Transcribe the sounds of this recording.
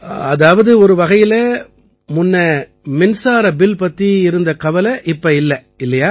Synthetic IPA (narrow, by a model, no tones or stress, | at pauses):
ɐðaːʋɐðɯɔɾɯʋɐɣɐjɪlɐ | mʊnːɐ | mɪnsaːɾɐbɪlpɐt̪ːiɪɾɯnd̪ɐkɐʋɐlɐʔɪpːɐɪlːɐ | ɪlːɐjaː